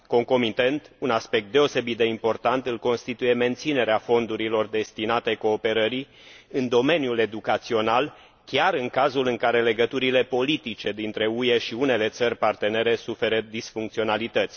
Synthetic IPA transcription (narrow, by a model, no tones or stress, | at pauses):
ko̞ŋko̞mit̪e̞nt̪unaspe̞k̚t̪̚d̪e̞o̞se̞bit̪̚d̪e̞impo̞rt̪ant̪ɨlko̞nst̪it̪uje̞me̞nt̪sine̞ɾeafo̞nd̪uɾilo̞rd̪e̞st̪inat̪eko̞ːpe̞ɾəɾi | ɨnd̪o̞me̞njule̞d̪ukat̪sio̞nal | kʲaɾɨŋkazulɨŋkaɾe̞le̞ɡət̪uɾile̞po̞lit̪it͡ʃe̞d̪int̪ɾe̞uje̞ʃiune̞le̞t̪sərʲpart̪e̞ne̞ɾe̞sufe̞ɾəd̪isfuŋkt̪sio̞nalit̪ət̪sʲ